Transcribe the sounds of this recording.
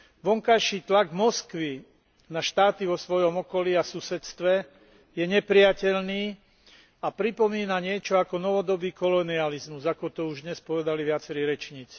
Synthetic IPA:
ʋɔŋkajʃiːt̪laɡmɔskʋi | naʃt̪aːt̪iʋɔsʋɔjɔmɔkɔliasusɛt̪st̪ʋɛ | jɛɲɛpɾijacɛʎniː | apɾipɔmiːnaɲɪɛt͡ʃɔakɔnɔʋɔd̪ɔbiːkɔlɔnializmuzakɔt̪ɔuʒd̪ɲɛspɔʋɛd̪aliʋɪat͡sɛɾiːɾɛt͡ʃɲiːt͡si̥

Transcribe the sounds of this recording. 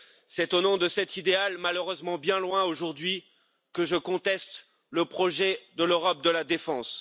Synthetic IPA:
sɛt̪onɔ̃d̪əsɛt̪id̪ealmaløʁøzmɑ̃bjɛ̃lwɛ̃oʒuʁd̪ɥi | kəʒəkɔ̃t̪ɛst̪ | ləpχɔʒɛd̪əløʁɔp̚d̪əlad̪efɑ̃s

